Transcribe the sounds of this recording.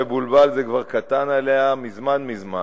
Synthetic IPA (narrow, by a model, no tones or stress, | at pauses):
ebulbalzekvaʁkat̪analeamizmanmizma